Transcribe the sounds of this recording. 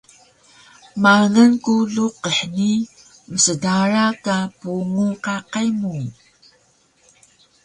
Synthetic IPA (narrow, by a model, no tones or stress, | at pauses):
maŋənkuɮuqəħni | məsədaɾakapuŋuqaqajmu